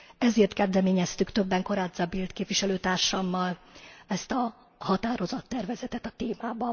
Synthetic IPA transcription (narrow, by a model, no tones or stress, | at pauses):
ɛzeːrt̪kɛzd̪ɛmeːɲɛst̪ykt̪ø̞bːɛŋko̞ɾaːd̪zɒbilt̪keːpviʃɛløːt̪aːrʃɒmːɒlɛst̪ɒ | hɒt̪aːɾo̞zɒt̪ːɛrvɛzɛt̪ɛt̪ɒt̪eːmaːbɒ